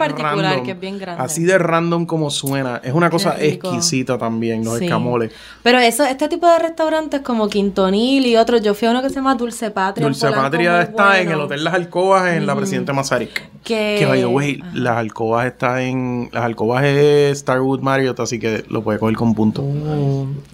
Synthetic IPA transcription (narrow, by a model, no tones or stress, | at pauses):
paɾriãnlad̪omkebjeŋɡɾanasiðe̞rand̪o̞mko̞moswe̞naʔe̞sunako̞saʔehkkisit̪at̪ambjeŋlo̞seskːamo̞le̞s | pe̞ɾoesoeht̪et̪ipo̞ðe̞re̞st̪awɾant̪esko̞mo̞kint̪o̞nilio̞t̪ɾod͡ʒofiaunokesejamad̪ulse̞pat̪ɾd̪ulsepat̪ɾjaesaeŋelot̪e̞ld̪aɦalko̞βasenlapɾesiðe̞nt̪emasaɾik | kekeβajowejlaalko̞βase̞st̪aeŋlʔa̰salkoβasest̪aɾwut̪̚maɾjot̪asike̞lʔopwe̞ðeko̞heɾko̞mpunt̪o